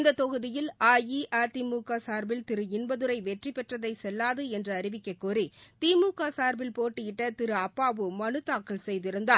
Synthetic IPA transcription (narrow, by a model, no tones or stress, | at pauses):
nd̪ɐt̪ɔɣɯðɪjɪlaːjiʔaːt̪iːmuːkaːsaːɾbɪlt̪ɪɾɯɪnbɐðɯɾɐɪʋɛʈripɛʈrɐðɐɪsɛlːaːðɯɛndrɐːɾɪʋɪkːɐɪkːoːrit̪iːmuːkaːsaːɾbɪlpoːʈːɪjɪʈːɐt̪ɪɾɯɐpːaːʋɯmɐnɯt̪ːaːkːɐlsɛjðɪɾɯnd̪aː